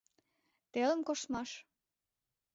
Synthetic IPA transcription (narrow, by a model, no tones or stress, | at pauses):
t̪elə̆mkoʃt̪mɑʃ